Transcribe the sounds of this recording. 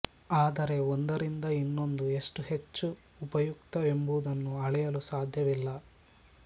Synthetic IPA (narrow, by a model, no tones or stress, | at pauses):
aːd̪ɐɾe̞ond̪ɐɾind̪ɐinːo̞nd̪ue̞ʂʈuhe̞t͡ʃːuː | pɐjuk̚t̪ɐe̞mbud̪ɐnːuɐɭɛjɐlusaːd̪ʱjɐʋilːɐ